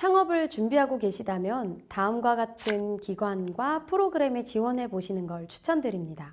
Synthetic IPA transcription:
sʰaŋʌbɯɭt͡ɕumbiɦaɡoke̞ɕʰidamjʌntaɯmɡwaɡatʰɯnkiɡwanɡwapʰɯɾoɡɯɾe̞me̞t͡ɕiwʌnɦe̞poɕʰinɯnɡʌɭt͡ɕʰu̥t͡ɕʰʌndɯɾimɲida

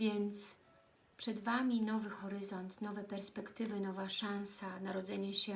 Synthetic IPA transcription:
vʲjɛnt̪s | pʂɛd̪vamʲinɔvɘxɔɾɘzɔnt̪nɔvɛpɛɾspɛkt̪ɘvɘnɔvaʂañsanaɾɔd̪zɛɲɛɕɛ

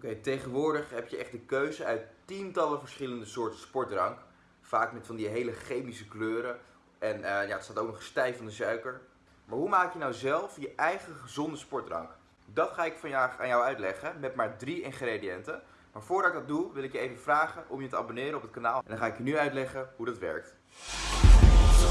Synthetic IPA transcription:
okejtejχənʋʊːɹdəχɦɛpjəʔɛχt̚dəkøɥzəœɥttintɑləvəɹsχɪləndəsʊːɹtəspɔɹtrɑŋk | faːkmɛtfɑndiɦejləχejmisəkløːɾə | ʔɛnjaːətstaːtowknəχstɛjfɑndəzœɥkəɹ | maːɹɦumaːkkjənawzɛlˠfjəʔɛjχəχəzɔndəspɔɹtrɑ̰ŋk | dɑtχaːɪkfɑna̰ːnjɔwœɥtlɛχəmɛtmaːɹdriɪnχrediɛntə | maːɹvʊːɹdɑtɪɡ̚dɑtd̚uʋɪlɪkjəejvəvraːχənʔɔmjətəɑ̰bonɪːɾəɔpət̚kanaːlˠʔɛndɑnχaːɪkjənyœɥtlɛχəɦudɑtʋɛ̰ɹk̚t

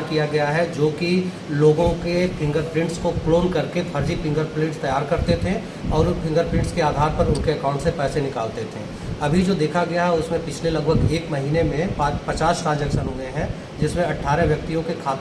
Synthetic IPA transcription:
kijaɡɐjaɦɛd͡ʒoːki | loːɡõkepʰɪ̃ŋɡəɾpɾɪ̃ɳʈskokloːnkɐɾkepʰɐɾd͡ʒipɪ̃ŋɡəɾplɪ̃ːʈst̪ɐjaːɾkɐɾt̪et̪ʰẽ | ɔːɾpʰɪ̃ŋɡəɾpɾɪ̃ɳʈskeaːd̪ʱaːɾpɐɾʊnkeɐkãːʊ̃ɳʈsepɛːsenɪkaːlt̪et̪ʰḛ̃ː | ɐbʱid͡ʒoːd̪eːkʰaɡɐjaɦɛʊsmẽpɪt͡ʃʰlelɐɡbʱəɡeːkmɐɦiːnemẽpːpɐt͡ʃaːsɾaːd͡ʒəksənʊeɦɛ̃ | d͡ʒɪsmẽɐʈʰːaːɾɛʋjɐk̚t̪ijõkekʰaːt̪

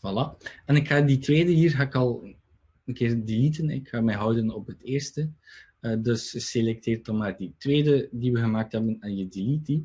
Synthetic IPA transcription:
valaɛnɪkxaːditʋeːdəɦiːrɣaːɪkɑlˠ | ənkɪːrdilitənɪ̰kxaːmɛjɦœwdənɔpɦəteːrstə | ədɵsəselɛk̚teːrtɔmaːrditʋeːdədiʋəɣəmaːk̚tɦɛbənaːnjədiliti

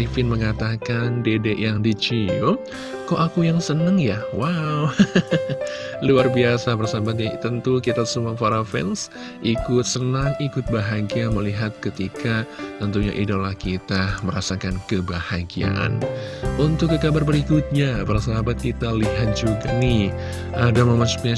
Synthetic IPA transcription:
ifɪnməŋat̪akandedeʔjaŋdit͡ʃiɔ | koʔakujaŋsənəŋjawaw | luarbiasabərsabat̪̚ɲat̪ənt̪ukit̪asumafaɾafɛ̰ns | ʔikʊt̪̚sənaŋikʊt̪̚baɦaɡiaməliɦat̪̚kət̪ikat̪ənt̪uɲa̰ʔidolahkit̪aməɾasakankəbahaɡia̰ʔa̰nunt̪ʊkːəkabarbəɾikʊt̪̚ɲabaɾasaɦabat̪̚kit̪aliɦat̪̚d͡ʒuɡanɪh | ʔadaməmasu̥pɲa

